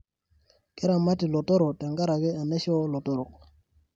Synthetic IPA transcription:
ke˦ɾa˨ma˦ti˨lɔ˨tɔ˦ɾɔ˨ta˨ŋɡa˦ɾa˨ɡe˦a˨ne˦ʃɔ˦lɔ˨tɔ˦ɾɔ˨k̚

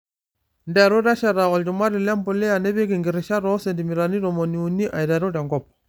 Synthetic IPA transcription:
ndɛ˨ɾo˦ɾa˦ʃa˨ɾa˨ɔ˨ld͡ʒu˨ma˦ɾi˨lɛ˦mbɔ˨lɛ˦a˨nɛ˦βe˦ɡi˨ŋɡi˨ɾi˨ʃa˦ɾɔ˦se˨ndi˨mi˨ɾa˨ni˦ɾɔ˨mo˨ni˨u˨ni˦ʔa˨i˨da˨ɾu˦da˨ŋɡɔ˨pɔ̥˨

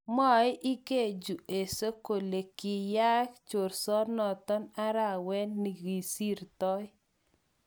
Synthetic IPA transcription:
mɔ˦˨ɪ˦ʔi˦ke˦˨d͡ʒu˨e˨so˦ko˨le˨ki˨ja˦kt͡ʃo˨ɾsɔ˦nɔ˨t̪ɔ˦na˦ɾa˨wɛ˦nːi˨ɡi˨si˦ɾt̪ɔ˦

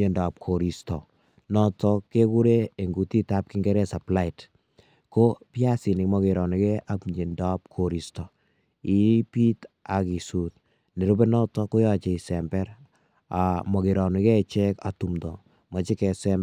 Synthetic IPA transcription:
e˨nda˨p̚kʰo˨ɾi˨stɔ˨ | nɔ˦tɔ˦kːe˦ku˦ɾe˦e˨ŋɡu˨ti˦ta˦p̚ki˦ŋɡɛ˦ɾɛ˦sa˨pla˦i˨t | ko˦pja˦si˨nɪ˨kmɔ˨ke˨ɾɔ˨ni˨kɛ˦ʔa˨pɲe˨nda˨˦p̚kʰo˨ɾi˨stɔ˨ | i˦pi˦t | a˨ki˨su˨t̪̚ | ne˨ɾu˦bɛ˦nɔ˦tɔ˦kɔ˦jɔ˦t͡ʃɛ˨i˨sɛmbɛ˦ɾ | a˨mɔ˨ke˨ɾɔ˨ni˨kɛ˦t͡ʃɛ˦ka˨tu˨md̪ɔ̰˨ | ma˨t͡ʃi˦kɛ˨sɛ˦m

